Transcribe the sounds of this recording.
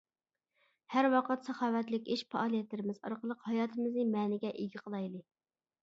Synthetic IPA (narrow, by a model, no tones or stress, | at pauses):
hæɾwɑqʰət̪sɑχɑːwɛt̪lɪkʲeʃpɑɑlˠijɛt̪lɪɾɪmɪzɑ̰ɾqəlˠəqhɑjɑːt̪ʰɨmɨznɨmɛːnɪɡʲɛʔeɡʲɪqʰəlˠɑjlˠɨ